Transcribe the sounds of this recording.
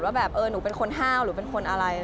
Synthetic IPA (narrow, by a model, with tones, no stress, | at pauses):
waː˥˩bɛː˨˩p̚ʔɤː˧nuː˩˦pe˧nkʰo˧nɦaː˥˩wɾɯː˩˦pe˧nkʰo˧nʔa˧ɾa˧j